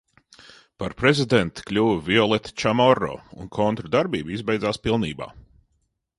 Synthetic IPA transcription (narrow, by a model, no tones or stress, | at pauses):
paɾpɾezid̪ɛnt̪klʲuːvvʲiɔlˠɛt̪t͡ʃamɔɾːɔ̰ːṵnkʰɔnt̪ɾud̪aɾbiːbizbɛjd̪zaːspilˠnḭːba̰ː